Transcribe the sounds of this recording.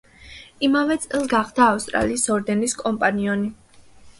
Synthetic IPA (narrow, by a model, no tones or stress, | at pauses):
imavɛt̪sʼɛlˠɡaχd̪aːfst̪ʼɾa̰liːsɔɾd̪ɛniskʼɔmpʼaniɔni